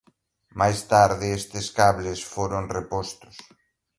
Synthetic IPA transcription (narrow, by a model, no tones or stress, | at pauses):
majst̪aɾðɪest̪ɪskaβlesfoɾonrepɔst̪ʊ̥s